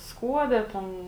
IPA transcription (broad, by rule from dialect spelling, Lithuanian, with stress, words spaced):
ˈskuɔdʲɛ ˈtʲɛn